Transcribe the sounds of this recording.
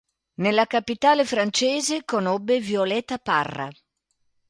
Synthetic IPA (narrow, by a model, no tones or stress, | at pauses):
nelːakapit̪aːlefɾant͡ʃɛːzekonobːevjolɛːt̪aparːa̰